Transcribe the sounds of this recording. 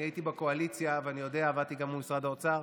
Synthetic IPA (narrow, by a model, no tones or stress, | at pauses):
ajitibeko̞alit͡sjaveanijo̞deaːvat̪iɡamumisʁadaot͡saʁ